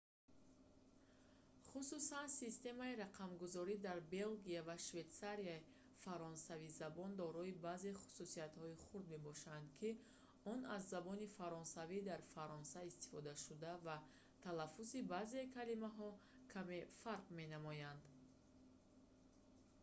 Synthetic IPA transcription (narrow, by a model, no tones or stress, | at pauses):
χususansist̪e̞maiɾaqʰamɡuzɔɾid̪aɾbe̞lɡiavaʃve̞t̪saɾiai | faɾɔnsavizabɔnd̪ɔɾɔibaze̞χu̥susiat̪hɔiχuɾd̪me̞bɔʃand̪kʰi | ɔnazːabɔnifaɾɔnsavid̪aɾfaɾɔnsaist̪i̥fɔd̪aʃud̪ava | t̪ʰalafːusibazekʰalimaɦɔkʰame̞faɾqme̞namɔjand̪